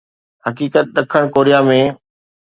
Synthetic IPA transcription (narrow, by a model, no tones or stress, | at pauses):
hɐkiːkət̪̚ɗɐkʰəɽ̃koːɾijamẽː